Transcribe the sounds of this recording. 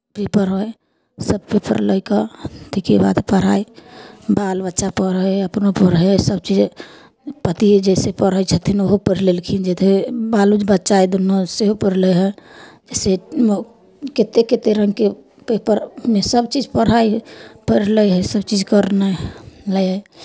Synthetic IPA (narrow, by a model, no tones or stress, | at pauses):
pepəɾɦoj | səb̚pepə̰ɾləjkət̪ikiba̰d̪pəɾ̤a̰ibalbətːʃapəɾɦojəpnopəɾɦsəb̚t͡ʃid͡ʒ | pət̪id͡ʒɛsepəɾəjt͡ʃʰət̪ʰinoɦopəɾlelkʰind͡ʒɛt̪ʰebalud͡ʒbətːʃajd̪unːoseɦopəɾləjɦəd͡ʒɛsem | ket̪eket̪eɾəŋɡke | pepəɾmesəbt͡ʃid͡ʒpəɾ̤aipəɾləjɦəsəb̚t͡ʃid͡ʒkəɾnələjə